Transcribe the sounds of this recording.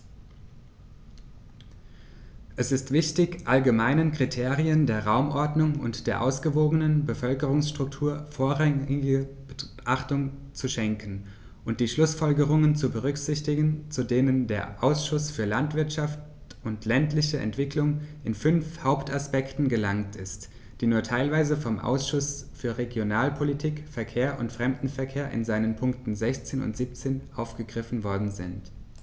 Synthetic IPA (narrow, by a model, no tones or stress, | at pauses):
ʔɛsɪstv̥ɪçtɪçʔalɡəmaɪnənkʁ̥itʰeːʁiəndeːɐʁaʊmʔɔɐdnʊŋʊ̰ntd̥eːɐʔaʊsɡ̥əvoːɡənənbəfœlkəʁʊŋsʃtʁ̥ʊk̚tʰuːɐfoːɐʁaŋɪɡə | ʔaχtʊŋ | t͡suʃɛŋkn̩ | ʔʊnt̚d̥iːʃlʊsfɔlɡəʁ̞ʊŋənt͡subəʁ̞ʏkz̥ɪçtɪɡn̩t͡sudeːnəndeːɐʔaʊsʃʊsfyːɐlantv̥ɪɐtʃaft | ʔʊntʰlɛntlɪçəɛ̰ntv̥ɪklʊŋʔɪnfʏnfhaʊptaspɛktn̩ɡəlaŋtʰɪst | d̥iːnuːɐtʰaɪlvaɪzəfɔmʔa̰ʊsʃʊsfyːɐʁeɡjonaːlpʰolitʰiːkfɛɐkʰeːɐʔʊntfʁ̥ɛmdn̩fɛɐkʰeːɐʔɪ̰nzaɪnənpʰʊŋktn̩zɛçt͡seːnʊ̰ntz̥iːp̚t͡seːnʔaʊfɡ̥əɡʁɪfn̩vɔɐdn̩zɪ̰nt